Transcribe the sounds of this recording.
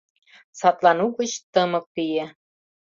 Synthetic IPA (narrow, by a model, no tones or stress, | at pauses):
sɑt̪lɑnuɣət͡ɕt̪ɤmɤ̆kːije